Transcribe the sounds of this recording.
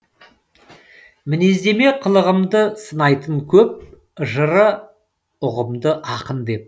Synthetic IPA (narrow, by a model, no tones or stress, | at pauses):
mɪne̞zd̪eme̞qʰəlˠəʁəmd̪əsənɑjt̪əɴkʲʰɵp̚ | ʒəɾə | ʊʁəmd̪əʔɑqənd̪e̞p̚